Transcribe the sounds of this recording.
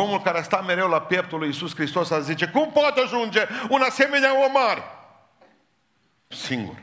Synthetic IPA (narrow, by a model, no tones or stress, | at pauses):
o̞mulkaɾeast̪ame̞ɾe̞wlapjep̚t̪ulujisuskɾist̪o̞sazit͡ʃe̞kumpot̪aʒund͡ʒe̞unase̞me̞neaomaɾe | siŋɡṵr